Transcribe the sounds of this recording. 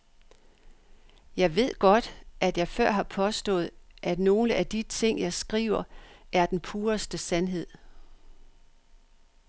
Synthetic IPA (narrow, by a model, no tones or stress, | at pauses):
jɑ̈ɪʋe̝ð̰ˠɡ̥ɒ̽d̥ʔæd̥jɑ̈ɪfɶɐ̰ɦɑ̈pʰɒ̽sd̥ɔ̰̽ːð̞̩ˠʔæd̥no̝ːləʔæd̥it͡sʰe̝ŋ̰jɑ̈ɪsɡ̥ʁḭːʊ̰ɐæɐd̥enpʰuːɐsd̥əsænɦe̝ð̞̰ˠ